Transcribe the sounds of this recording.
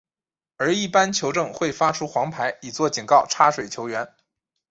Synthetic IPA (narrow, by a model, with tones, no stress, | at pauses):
ə˞˧˥i˥˩pa˥nt͡ɕʰjo˧˥ʊʈ͡ʂɤ˥˧ŋxwe˥˩ɪfa˥ʈ͡ʂʰu˥xwɑ˧˥ŋpʰa˧˥ɪi˨˩t͡swɔ˥˩t͡ɕi˨˩nkɑ˥˩ʊʈ͡ʂʰa˥ʂwe˨˩ɪt͡ɕʰjo˧˥ʊɥɛ˧˥n